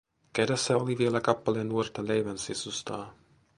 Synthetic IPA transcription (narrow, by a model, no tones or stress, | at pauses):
kedæsːæoliʋielækɑpːɑlenːuort̪ɑlejʋænsisust̪ɑː